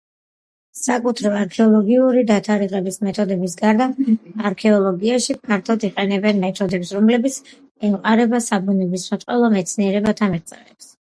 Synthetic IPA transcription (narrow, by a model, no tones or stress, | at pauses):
sakʼut̪ʰɾɔaɾkʰɛɔlˠɔɡiuɾid̪at̪ʰaɾiʁɛbismɛt̪ʰɔd̪ɛbisɡaɾd̪aːɾkʰɛɔlˠɔɡiaʃipʰaɾt̪ʰɔd̪iqʼɛnɛbɛnmɛt̪ʰɔd̪ɛpsɾɔmlɛbit̪sʰ | ɛmqʼaɾɛbasabunɛbismat̪ʼɛlˠɔmɛt̪sʰniɛɾɛbat̪ʰamiʁt̪sʼɛ̰nɛps